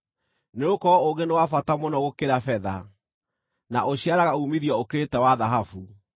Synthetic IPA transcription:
neokɔoɣɡenewafatamɔnɔɣokeɾafɛða̰ | naʔoɕiaɾaɣaumiðjɔokeɾetɛwaðaɦafu

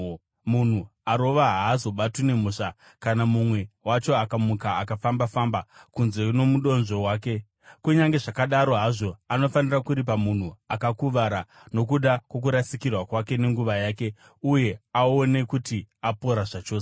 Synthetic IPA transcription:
mun̤uaɾo̞ʋaɦaːzo̞ɓatine̞muːʂa | kanamumwe̞wat͡ʃo̞akamukaːkafambafaːmbakunze̞uno̞muɗo̞nʐo̞waːke̞ | kuɲaŋɡe̞ʐakaɗaɾo̞ɦaʐo̞ano̞fanirakuɾipamun̤uakakuʋaɾa | no̞k̬uɗakwo̞k̬uɾasikirwakwake̞ne̞ŋɡuʋajaːke̞ | uje̞aone̞kutiapo̞ɾaʐat͡ʃo̞ːs

